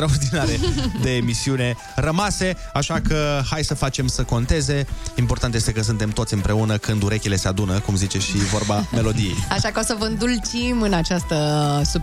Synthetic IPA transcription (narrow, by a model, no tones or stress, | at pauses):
ɾauzd̪inaɾed̪e̞ːmisiune̞ | rəmase̞ | aʃakəhajsəfat͡ʃe̞msəko̞nt̪e̞ze̞impo̞rt̪ant̪jest̪e̞kəs̬ɨnt̪e̞mt̪o̞t̪sʲɨmpɾe̞unəkɨnd̪uɾe̞kʲile̞se̞ad̪unəkumzit͡ʃe̞ʃivo̞rbame̞lo̞d̪ije̞̰jaʃakəo̞səvəɨnd̪ult͡ʃimɨnat͡ʃast̪əsu